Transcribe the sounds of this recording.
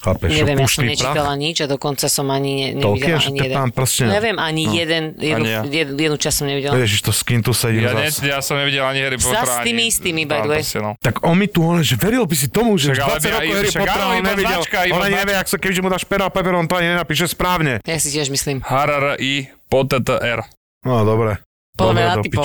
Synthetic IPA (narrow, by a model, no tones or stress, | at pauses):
xaːpɛɲʃɛʋɪjɛmpusɔiɲɛt͡ʃit̪alaɲid͡ʒad̪ɔkɔnt͡sasɔmaɲiɲɛɲɛɔliɛaɲiɛɛampɾɔscɛɲɛʋɪɛmaɲijɛd̪ɛnjɛd̪ujɛdjɛd̪nut͡ʃastsɔmɲɛʋiɟɛljɛʒiʃt̪ɔskint̪usɛɟɛjaaɛjasɔmɲɛʋiɟɛlaɲiɦɛɾipɔɾstiːmiist̪iːmibajd̪ɛsɛt̪aɡɔnmit̪uɔnɛʒɛʋɛɾilbis̬it̪ɔmuʒɛaalɛɛɾɔɦɛɾiʃaɔɾaɲɛʋiaɛlkaiɔnaɲɛʋjɛaksakɛbiʒɛmud̪aːʃpɛɾɔapɛpɛɾɔnt̪ɔaɲiɲɛnapiːʃ̬ɛspɾaːʊɲɛjasicɪɛʒmisliːmɦaɾaɾʔipɔt̪ət̪əʔɛɾ | nad̪ɔbɾɛ | pɔɔɲɛnad̪ɔi